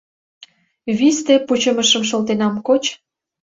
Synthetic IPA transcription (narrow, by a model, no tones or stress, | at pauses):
βist̪eput͡ɕə̆məʃə̆mʃ̬olt̪enɑmkot͡ɕ